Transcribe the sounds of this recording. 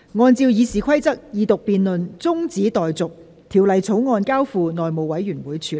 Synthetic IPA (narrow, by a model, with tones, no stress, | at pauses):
ŋɔː˧nt͡siː˧wjiː˨˧siː˨kʰɐ˥jt͡sɐ˥k̚jiː˨˧t̪ʊ˨k̚piː˨˧nlɵ˨˧nt͡sʊ˥ŋt͡siː˨˥t̪ɔː˨jt͡sʊ˨k̚ | t̪ʰiː˨˩wlɐ˨˧jt͡sʰo˨˥wŋɔː˧nkaː˥wfuː˧nɔː˨jmo˨˩wɐ˨˥jɥyː˨˩nwuː˨˥jt͡ʃʰyː˨˧